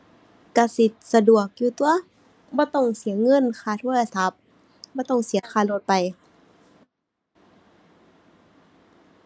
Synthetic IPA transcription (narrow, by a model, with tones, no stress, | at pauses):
ka˧si˧˦t̪̚sa˧du˨˩ək̚juː˧t̪u˧ɐ | bɔː˧˦t̪ɔ˧˩˨ŋsi˨˦ɐŋɤ˧˥˨nkʰaː˧˩t̪ʰu˧˥˨jla˧˩sa˧˦p̚ | bɔː˧˦t̪ɔ˧˥˩ŋsi˨˦ɐxʰaː˧˩lo˧˦t̪̚pa˨j